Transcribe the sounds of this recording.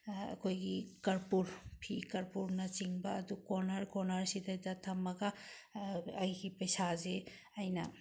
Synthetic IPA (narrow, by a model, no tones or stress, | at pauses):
kojɡikɐɾpuɾpʰikɐɾpuɾnat͡ʃiŋbaːd̪ukɔnaɾkɔnaɾsid̪adat̪ʰamaka | ajɡipɐjsaze | ajna̰